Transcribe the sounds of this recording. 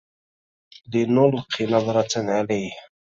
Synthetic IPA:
d̪inʊlqʰːinɑðˤɾˤɑt̪nʕalajh

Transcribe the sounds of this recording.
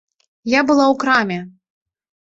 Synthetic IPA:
jabɨlˠawkɾamʲɛ

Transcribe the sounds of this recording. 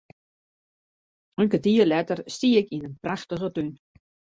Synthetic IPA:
əŋkətiːəlɛtərstiːɪkinənpraxtəɣətyn

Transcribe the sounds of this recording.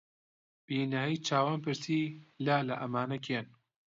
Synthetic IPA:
b̥iːnaːijt͡ʃʰaːwaːnpɨɾsiːlaːlɐʔɐmaːnɐkʰeːn

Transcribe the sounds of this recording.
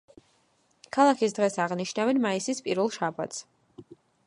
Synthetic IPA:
kʰalˠakʰisd̪ʁɛsaʁniʃnavɛnmaisispʼiɾvɛlˠʃaba̰t̪s

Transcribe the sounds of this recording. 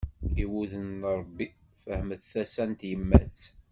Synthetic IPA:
iwuðənɾˤəbːi | fəhməθθæsænt̪jəmːæ̰t͡s

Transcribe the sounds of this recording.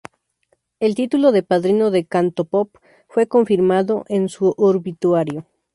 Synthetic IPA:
e̞lt̪it̪ulo̞ðe̞paðɾino̞ðekant̪o̞pop | fwe̞ko̞ɱfiɾmaðo̞ʔe̞nsuʔoɾβit̪waɾjo̞

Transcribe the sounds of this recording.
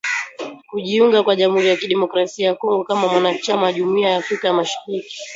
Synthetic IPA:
kuʄiuŋɡakwaʄamhuɾijakiɗɛmɔkɾasiajakɔŋɡɔkamamwanat͡ʃamaʄumuiajaːfɾikajamaʃḁɾiki̥

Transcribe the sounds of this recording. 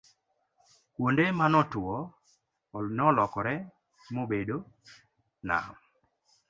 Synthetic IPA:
kwondemanɔtɔ | nɔlɔkɔɾɛ | mobedo | na̰m

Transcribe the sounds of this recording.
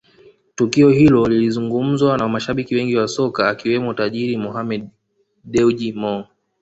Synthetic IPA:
tukiɔhilɔlilizuŋɡum̩zwanamaʃaɓikiwɛŋɡiwasɔkaːkiwɛmɔtaʄiɾimɔɦamɛdː | ɛuʄimɔ

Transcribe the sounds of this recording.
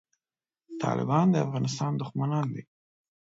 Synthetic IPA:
t̪ʰɑ̰lɪ̰bɑnd̪əafɣɑnɪst̪ɑnd̪ʊxmanɑnd̪e

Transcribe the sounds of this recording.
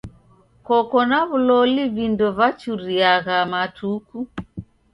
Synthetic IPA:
kɔkɔnaβulɔliβindɔβat͡ʃuɾiaɣamatʰuku

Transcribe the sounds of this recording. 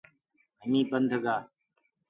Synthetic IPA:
ɦəmĩːpənd̪ʱəɡaː

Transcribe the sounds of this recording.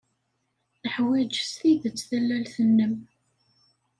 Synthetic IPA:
θəħwæd͡ʒst̪iðət͡sːθælːælθənːəm

